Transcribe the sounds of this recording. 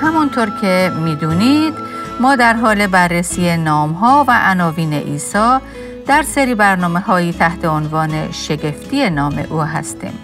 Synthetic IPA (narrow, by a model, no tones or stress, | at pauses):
hæmunt̪ʰoɾcʰe̞miːd̪uːniːd̪̥ | mɒːd̪æɾɦɒːle̞bærːesiːenɒːmɦɒːvæʔænɒːviːne̞̰ʔiːsɒː | d̪̥æɾseɾiːbæɾnɒːme̞ɦɒːiːt̪ʰæht̪ʰe̞onvɒːne̞ʃe̞ɟe̞ft̪ʰiːe̞nɒːme̞̰ʔuːɦæ̰st̪ḭːm